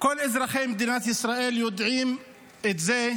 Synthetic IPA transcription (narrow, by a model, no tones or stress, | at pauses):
kʊlːʔɪzɾˤɑxeːmd̪iːnat̪ʔɪsɾˤɑːʔiːljʊd̪ʕiːm | ʔɪt̪zeː